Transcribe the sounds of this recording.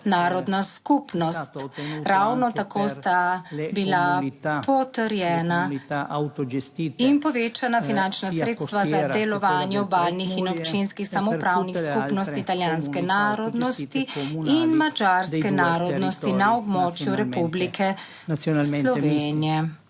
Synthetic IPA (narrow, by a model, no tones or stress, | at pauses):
naːɾɔd̪naskupnɔst̪ɾawnɔt̪akoːst̪abilapɔt̪əɾjɛːna | inpɔʋet͡ʃanafinant͡ʃnasɾeːt̪st̪ʋazadd̪ɛlɔʋaːnjɛbalnixinɔpt͡ʃinskixsamɔpɾawnixskkupnɔst̪iːt̪aljanskɛnaːɾɔd̪nɔst̪iinmad͡ʒaɾskɛnaːɾɔd̪nɔst̪inaɔbmɔt͡ʃjuɾɛpublikʰɛ | slɔʋenijɛ